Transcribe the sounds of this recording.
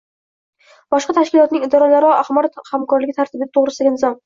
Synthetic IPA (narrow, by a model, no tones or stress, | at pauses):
bɒʃqɑt̪ʰaʃkʲɪlˠɒt̪nɪŋɪd̪ɒɾɒlaɾɪɒahmaɾt̪hamkʰɒɾlɪɡʲɪt̪ʰaɾt̪ɪbɪd̪at̪ʰoʁɾɪsaɡʲanɪzɒm